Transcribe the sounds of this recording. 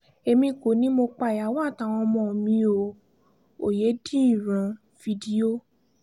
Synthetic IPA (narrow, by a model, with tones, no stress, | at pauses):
e˧mĩ˧ko˨nĩ˦mo˧k͡pa˧˨ja˨˦wa˦˨ta˨w̃ɔ̃˧mɔ̃˧˨o˨mĩ˧˦o˧˨ | o˨je˨˦dĩ˦i˦˨ɾ̃ã˨˧ | fi˧di˦o˦